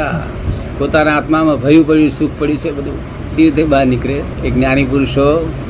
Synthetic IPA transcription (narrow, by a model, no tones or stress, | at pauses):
a̰ | pot̪anaat̪mamãbʱəjũpəɽjũsukʰpəɽjũt͡ʃʰebəd̪ʱũ | siɾt̪ebaɾnikɽe | eknjanipuɾʃo